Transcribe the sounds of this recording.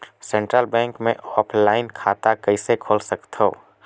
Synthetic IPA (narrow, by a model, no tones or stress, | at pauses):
sɛ̃ɳʈɾəlbɛ̃ːŋkmẽʔɔːpʰlaːɪnkʰaːt̪akəɪsekʰoːlsəkt̪ɦo̰ː